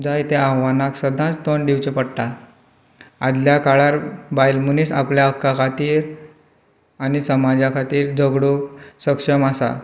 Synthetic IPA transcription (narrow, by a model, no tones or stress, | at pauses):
d͡zajt̪eaɦʋanaksəd̪ʱãt͡st̪onɖiwt͡ɕepəɽʈ̪a | ad̪ljakaɭaɾbajlmunisapljaəkːakʰat̪iːɾ | anisəmad͡ʑakʰat̪iːɾd͡zəɡɽusəkʂəmasa̰